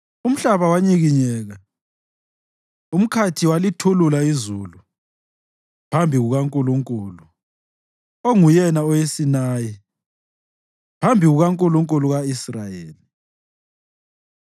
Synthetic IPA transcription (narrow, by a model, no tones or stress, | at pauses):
um̩ɬaβawaɲiɣiɲɛːɣa | um̩kʰatʰiwalitʰululaizuːlu | pʰambʱiɣuɣaŋkʼuluŋkʼuːlu | oŋujɛnaɔjesinaːji | pʰambʱiɣuɣaŋkʼuluŋkʼuluɣaisrajeːli